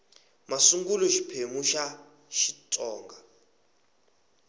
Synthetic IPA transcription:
masuŋɡulɔʃi̥pʰemuʃa | ʃitʼɔːŋɡa

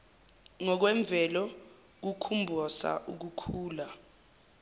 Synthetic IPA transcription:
ŋɔk̬wɛɱb̪vʱɛlɔ | k̬ukʰumbʱɔsa̰ʔuk̬ukʰuːla

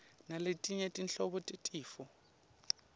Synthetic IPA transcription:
naletʼiɲetʼinɬɔɓɔtʼetʼiːfɔ

